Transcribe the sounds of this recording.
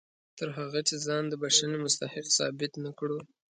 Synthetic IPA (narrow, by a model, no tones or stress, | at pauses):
t̪əɾɦaɣat͡ʃezɑnd̪əbaʃanemʊst̪ahɪqsɑ̰bɪt̪nakɽu